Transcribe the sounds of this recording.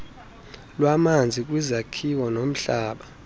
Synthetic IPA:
lwamand͡zʱik̬ʼwizakʰiwɔnom̩ɬaːɓa

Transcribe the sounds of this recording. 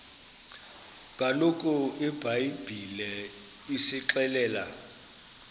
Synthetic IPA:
kʼalokʼʊɪbʱajib̥ʱilɛ | isɪǁɛlɛːla

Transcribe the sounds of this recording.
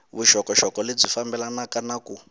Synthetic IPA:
βuʃɔkɔʃɔkɔled͡zifambɛlanakanaku

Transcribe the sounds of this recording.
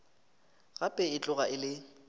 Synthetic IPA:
ɣapʼɛɪt͡ɬʼʊɣaʔɪlɪ

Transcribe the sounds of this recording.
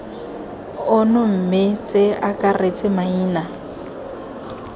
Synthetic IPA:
ʊnʊm̩mɪt͡sʼeakʼaret͡sʼɪmaiːna

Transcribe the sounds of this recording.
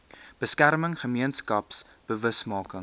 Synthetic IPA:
b̥əskærməŋχəmiənskɐpsb̥əvəsmɑːkəŋ

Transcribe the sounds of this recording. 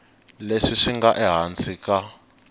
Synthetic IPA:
leʂiʂiŋɡaʔɛɦant͡sʰika

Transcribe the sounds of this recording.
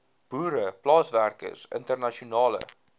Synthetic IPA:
b̥uːɾəplɑːsværkə̰sə̰ntərnɐʃiunɑːlə̰

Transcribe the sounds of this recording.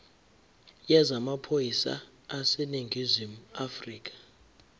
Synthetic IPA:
jɛzamapʰojisa̰ː | sɛneŋɡʱizimafriːk̬ʰʼḁ

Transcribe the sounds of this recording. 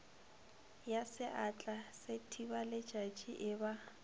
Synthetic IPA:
jasɪʔat͡ɬʼasetʰibalɪ̥ʒ̥ʱḁt͡ʃʼiʔɪba

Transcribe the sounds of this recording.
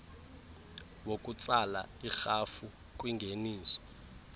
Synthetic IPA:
wokʼut͡sʼala̰ixafu | k̬ʼwiŋɡʱeniːsɔ̥

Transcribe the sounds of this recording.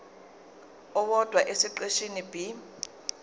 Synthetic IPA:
ʊβɔd̥ʱwaʔɪsɪǃeʃinibi

